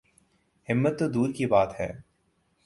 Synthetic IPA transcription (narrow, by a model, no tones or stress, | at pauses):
hɪmːət̪ːod̪uːɾkibaːt̪ɦɛ̰ː